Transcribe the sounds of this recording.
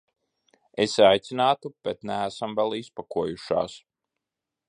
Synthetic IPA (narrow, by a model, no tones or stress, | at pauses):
esajt̪sinaːt̪ub̥et̪næːsamvɛlˠispakuɔjuʃa̰ːs